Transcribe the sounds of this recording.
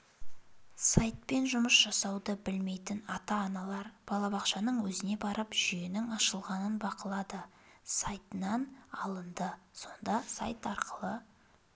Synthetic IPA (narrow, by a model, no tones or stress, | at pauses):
sajt̪̚pe̞nʒʊməsʒ̥ɑsɑwd̪əbɪlme̞jt̪ɪnɑt̪ɑːnɑlˠɑɾb̥ɑlˠɑbɑqʃɑnəɴwɵzɪne̞bɑɾəpʒ̥ʏjenɪŋɑʃəlˠʁɑnənbɑqəlˠɑd̪ə | sɑjt̪ənɑnɑlˠənd̪əso̞nd̪ɑsa̰jt̪ɑɾqʰəlˠə